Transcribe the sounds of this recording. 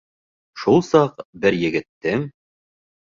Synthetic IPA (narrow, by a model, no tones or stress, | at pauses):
ʃulˠsɑqbɘɾjɘ̆ɡɘ̆t̪ːɘŋ